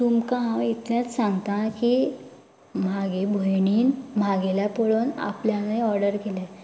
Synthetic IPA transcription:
sumkãit̪ljãt͡s̪sãŋɡt̪ãki | m̤aɡebʱojɳiːnm̤aɡeljapoɭuːna̰pljanajɔɾɖəɾkelɛ

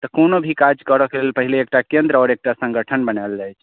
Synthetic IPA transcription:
t̪əkonobʱikad͡ʒkəɾɔkelelpəɦileːk̚ʈakend̪ɾɔɾek̚ʈasə̃ŋɡʱəʈʰənbənald͡ʒajt͡ʃʰ

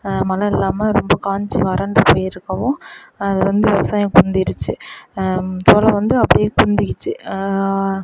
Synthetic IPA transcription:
mɐlɐɪlːaːmɐɾɔmbɐkaːɲt͡ʃiʋɐɾɐɳɖɯpoːjɪɾɯkːɐʋõːɐðɯʋɐnd̪ɯʋɛʋɐsaːjɐ̃kʊnd̪ɪɾɯt͡ʃːɯ | soːlɐʋɐnd̪ɯɐpːɐɽɪjeːkʊnnd̪ɪkːɪt͡ʃːɯ

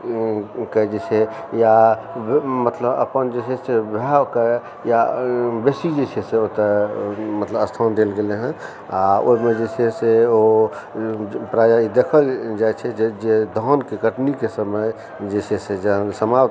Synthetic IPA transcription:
kəd͡ʒet͡ʃʰɛ | ja | mət̪ləbə̰pənd͡ʒesesebʱɛke | jabesid͡ʒet͡ʃʰeseot̪əmət̪ləbəst̪ʰand̪elɡeleɦɛ̃ | ao̰imed͡ʒesʰeseo | pɾad͡ʒaid̪ekʰəld͡ʒajt͡ʃʰɛd͡ʒed͡ʒed̪ʱɔnkeɡəʈnikesəməj | d͡ʒesʰesed͡ʒsəma

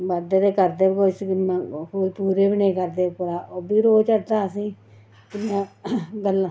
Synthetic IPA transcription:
bəd̪eːd̪eːkəɾd̪eːbkoːsɪãhoːɾpuːɾeːbɪneːkəɾd̪eːkʊɾaːʔoːbiːɾoːt͡ʃəɾd̪aːəsĩː | k̪ɪnːãːɡəlːãː

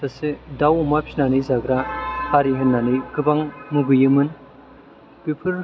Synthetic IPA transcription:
asidawumapʰinanizaɡɾahaɾiɦɯnːaniɡɯbaŋmuɡɯjɯmɯn | b̥ipʰɯɾ

